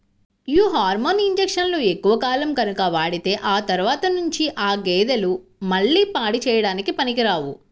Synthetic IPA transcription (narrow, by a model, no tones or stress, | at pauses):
juːɦaːɾmoːniɲd͡ʒekʂɐnloːekːuʋɐkaːlɐmɡɐnukɐʋaːɽit̪e̞ːʔaːt̪ɐɾuʋaːt̪ɐnuɲt͡ʃiʔaːɡeːd̪ɐlumɐɭːiːpaːɽit͡ʃɛːjɐɽaːnikipɐnikiɾaːʋu